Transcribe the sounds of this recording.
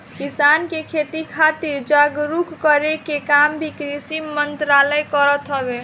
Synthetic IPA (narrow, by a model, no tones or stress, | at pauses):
kisankekʰet̪ikʰat̪iɾd͡ʒaɡɾukkəɾekekambʱikɾisimənt̪ɾaləjkəɾət̪ɦəbe